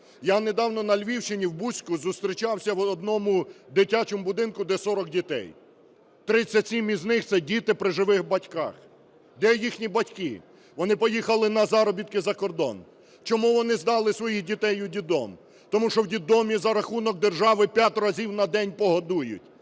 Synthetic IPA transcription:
janed̪ɑwnɔnɐlʲʋʲiwt͡ʃɪnʲiwbusʲkʊzʊst̪ɾʲit͡ʃɑwsʲɐwɔd̪nɔmʊd̪ɪtʲat͡ʃɔmʊbʊd̪ɪnkʊd̪ɛsɔɾɔk̚dʲit̪ɛ̰j | t̪ɾɪt͡sʲːɐtʲsʲimiznɪxt̪sɛdʲit̪ɪpɾɪʒɪʋɪxbɐtʲkɑ̰x | d̪ɛjixnʲibɐtʲkɪ̰ | ʋɔnɪpɔjixɐlˠɪnɐzɑɾɔbʲit̪̚kɪzɐkɔrd̪ɔ̰n | t͡ʃɔmuʋɔnɪzd̪ɑlˠɪsʋɔjixdʲit̪ɛjʊdʲid̪ɔm | t̪ɔmuʃɔwdʲid̪ɔmʲizɐɾɐxunɔk̚d̪erʒɑʋɪpʲjatʲrɐzʲiwnɐd̪ɛnʲpɔɦɐd̪ujʊ̰tʲ

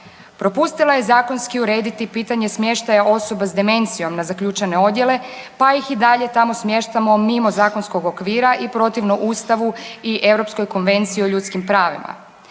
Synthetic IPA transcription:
pɾo̞pust̪ilaje̞zaːko̞nskiuɾeːd̪it̪ipiːt̪aɲe̞smje̞ʃt̪ajaʔo̞so̞basd̪eme̞nt̪sijo̞mnazakʎuːt͡ʃene̞o̞d̪je̞le̞paixid̪aʎe̞t̪amo̞smje̞ʃt̪amo̞mimo̞zaːko̞nsko̞ɡo̞kʋiːɾaʔipɾo̞t̪iʋnoʔuːst̪aʋuiʔe̞vɾo̞psko̞jko̞nʋe̞nt̪siio̞ʎuːt̪skimpɾaːʋḭma̰

